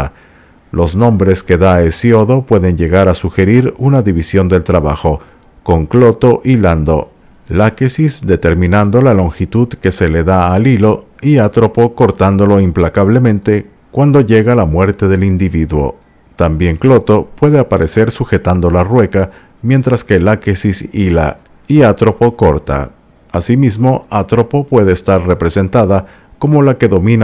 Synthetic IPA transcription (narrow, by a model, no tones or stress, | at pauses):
lʔo̞znõ̞mbɾe̞ske̞ðaesjo̞ðo̞pwe̞ðe̞nʝe̞ɣaɾasuxe̞ɾiɾunaðiβisjo̞nd̪e̞lt̪ɾaβaxo̞ | ko̞ŋklo̞t̪o̞ʔiland̪o̞̰ | lakesisd̪e̞t̪e̞ɾmĩnand̪o̞lalo̞ŋxit̪uðke̞se̞leðaːlilo̞iat̪ɾo̞po̞ko̞ɾt̪and̪o̞lo̞implakaβle̞mẽ̞nt̪e̞ | kwand̪o̞ʝe̞ɣalamwe̞ɾt̪eðe̞lind̪iβiðwo̞̰ | t̪ambje̞ŋklo̞t̪o̞pwe̞ðe̞apaɾʔe̞se̞ɾsuxe̞t̪and̪olarwe̞ka | mje̞nt̪ɾaske̞lakesisila̰ | iat̪ɾo̞po̞ko̞ɾt̪a̰ | asimizmo̞at̪ɾo̞popwe̞ðe̞ːst̪aɾre̞pɾe̞se̞nt̪aða | ko̞mo̞lake̞ðo̞mĩna